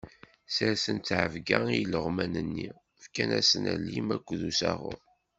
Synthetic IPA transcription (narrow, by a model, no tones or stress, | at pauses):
səɾsənt̪ːʕəvɡæiləʁmænənːi | fkænæsənælːimækʷːðusæʁʊ̰ɾ